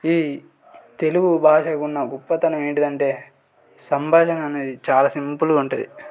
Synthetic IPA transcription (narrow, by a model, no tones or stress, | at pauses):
iː | t̪e̞luɡubʱaːʃɐːɡunːɐɡupːɐt̪ːɐnɐmeːɳʈid̪ɐɳʈe̞ː | sɐmbʱaːʃɐnɐneit͡ʃaːlaːsimpuluuɳʈud̪i